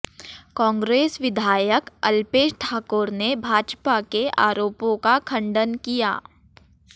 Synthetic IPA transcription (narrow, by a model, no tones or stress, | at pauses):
kɔ̃ːŋɡɾeːsʋɪd̪ʱaːjəkɐlpeːʃʈʰaːkoːɾnebʱaːd͡ʒpakeʔaːɾoːpõkakʰɐ̃ɳɖənkija̰ː